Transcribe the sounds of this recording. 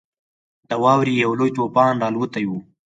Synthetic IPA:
d̪̥əwɑːwɾijawlojt̪opɑnɾɑlut̪aju

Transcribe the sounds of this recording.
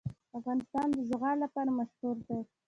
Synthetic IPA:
afɣɑnɪst̪ɑnd̪əzɣɑlapɑɾamaʃhuɾd̪a

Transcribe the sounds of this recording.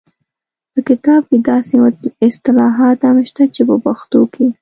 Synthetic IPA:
pəkɪt̪ɑb̚ked̪ɑseɪst̪ɪlɑɦɑt̪amʃt̪at͡ʃepəbaxt̪okʰe

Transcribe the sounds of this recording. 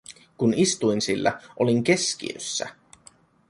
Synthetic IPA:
kunist̪ujnsilːæ̰ʔoliŋk̟e̞skḭø̰sːæ̰

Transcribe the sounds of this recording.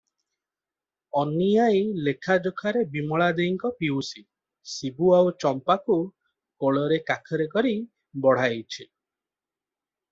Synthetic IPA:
ɔnijajlekʰad͡ʒokʰaɾebimɔɭad̪eiŋkɔpiwsi | sibuawt͡ʃɔmpaku | koɭɔɾekakʰɔɾekɔɾi | bɔɽ̤ajt͡ʃʰi

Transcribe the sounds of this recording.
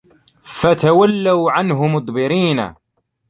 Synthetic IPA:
fat̪awalːawʕanɦʊmʊt̪ˤbɪɾiːna̰

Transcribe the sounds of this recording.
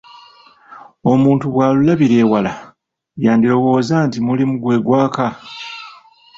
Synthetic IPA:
o̞muːntuβwaːlulaβiɾe̞ːwala | jaːndiɾo̞wo̞ːzaːntimulimuɡwe̞ːɡwaːka

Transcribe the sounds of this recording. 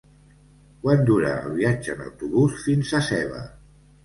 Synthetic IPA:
kwand̪uɾa̰ːlˠβiad͡ʒəːna̰wt̪uβusfinzasɛβ̞ə̰

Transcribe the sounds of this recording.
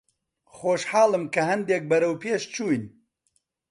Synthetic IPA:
xoːʃħaːlˠɨmkɐɦɐnd̪eːk̚bɐɾɐwpeːʃt͡ʃʰuːjn

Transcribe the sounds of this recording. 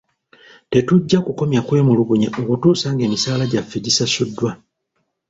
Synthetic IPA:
te̞tuɟːakuko̞mjakwe̞ːmuluɡuɲaʔokutuːsaːŋɡe̞ːmisaːlaɟafːidisasudːwa

